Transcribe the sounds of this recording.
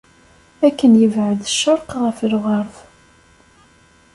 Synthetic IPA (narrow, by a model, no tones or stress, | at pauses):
ækːənjəvʕəðʃːəɾˤqʁəflʁɑɾˤf